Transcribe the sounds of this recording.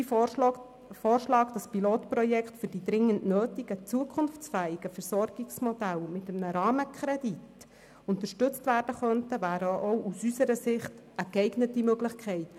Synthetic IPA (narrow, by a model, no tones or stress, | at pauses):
i | foːrʃlɑːkd̥ɑspiloːtprɔjɛkχtfyrdid̪ɾɪŋːənnøːtiɡ̥ət͡suəkʰʊnft͡sfæːɪɡəfɛɾsɔrɡ̥ɪksmɔd̥̪ælmɪt̪əmnəɾɑːməkʰχɾɛdit | ʊnt̪əʃtɵt͡stvæːrd̥əχœntəvæːɾəʔowʔusysəɾəsɪχt | əkɛɪɡnətimøɡlɪχkʰχɛɪt